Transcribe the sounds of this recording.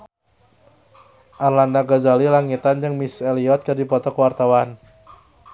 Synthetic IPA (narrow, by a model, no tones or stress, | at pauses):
ʔarlandaɡazalilaŋit̪and͡ʒɨŋmisɛliɔt̪̚kɨrdipɔt̪ɔkəwart̪awan